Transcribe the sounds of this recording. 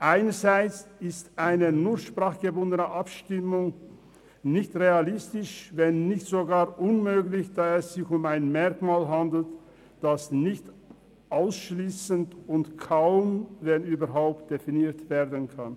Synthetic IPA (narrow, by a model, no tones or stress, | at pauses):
ʔaɪnəzaɪt͡sɪstʔaɪnənuːɐʃpʁ̥aːχɡ̥əbʊndənəʔapʃtɪmʊŋ | nɪçtʁealɪstɪʃvɛnːɪçtz̥oɡaːɐʔʊnmøːɡlɪçd̥aːɛsz̥ɪçʊmaɪnmɛɐkmaːlɦandl̩t | d̥asnɪçt | ʔaʊsʃliːsəntʊntkʰaʊmvɛnyːbɐɦaʊpt̚d̥efiniːtv̥ɛːɐdənkʰan